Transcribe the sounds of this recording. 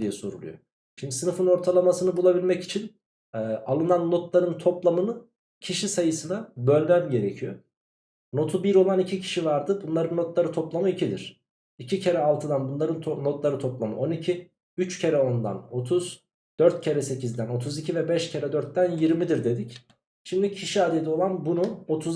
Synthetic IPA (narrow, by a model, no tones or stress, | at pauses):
d̪ijɛsoɾṵlˠṵjo̰ | ʃind̪isɯnɯfɯno̞ɾt̪ʰalˠamasɯnɯbulˠabilʲmɛci̥t͡ʃʰin | ɛʔalˠɯnanːo̞t̪lˠaɾɯnt̪ʰo̞plˠamɯnɯ | cʰiʃisajɯsɯnabø̞lʲmæmɟe̞ɾe̞cʰijo | no̞t̪ʰubiɾo̞lˠanicʰicʰi̥ʃivaɾd̪ɯbunlˠaɾɯnːo̞t̪lˠaɾɯt̪ʰoplˠamɯicʰid̪iɾ̥ | icʰicʰe̞ɾɛalˠt̪ʰɯd̪anbunlˠaɾɯnt̪ʰːo̞t̪lˠaɾɯt̪ʰo̞plˠamɯ̰ʔo̞nicʰi | yt͡ʃcʰe̞ɾɛo̞nd̪a̰no̞t̪ʰuz̥ | d̪̥øɾt̪̚cʰe̞ɾɛse̞cizd̪æno̞t̪ʰuzicʰivɛbɛʃcʰe̞ɾɛd̪øɾt̪̚ːd̪ænjiɾmid̪iɾd̪e̞d̪ic | ʃimd̪icʰiʃiad̪ed̪io̞lˠanbunuot̪ʰuz